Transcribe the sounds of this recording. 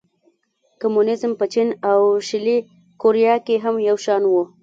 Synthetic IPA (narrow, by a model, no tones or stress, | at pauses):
kamunɪzmpət͡ʃinawʃɪli | koɾijɑkeɦamjawʃɑnwu